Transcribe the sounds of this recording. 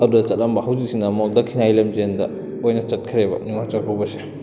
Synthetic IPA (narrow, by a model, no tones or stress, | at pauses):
ɐdudɐt͡ʃɐt̚lɐmbɐhawzik̚sinɐmoldɐkʰinajlɐmzendɐ | ojnɐt͡ʃɐt̚kʰiɾebɐ̰niŋont͡ʃɐkʰawbɐse̥